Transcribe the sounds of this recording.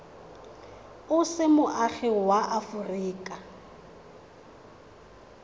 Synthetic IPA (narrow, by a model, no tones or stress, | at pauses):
ʊsɪmʊʔaχɪwaʔafʊriːkʼa